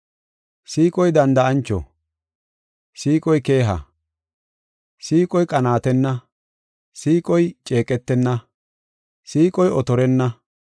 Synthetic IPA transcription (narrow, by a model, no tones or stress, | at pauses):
siːkʼɔjd̪ɐnd̪ɐʔɐnt͡ʃːɔ̰ | siːkʼɔjke̞ːɦɐ̰ | siːkʼɔjkʼɐnaːt̪ɛnːɐ | siːkʼɔjt͡ʃʼe̞ːkʼɛt̪ːɛnːɐ | siːkʼɔjɔt̪ɔɾɛnːɐ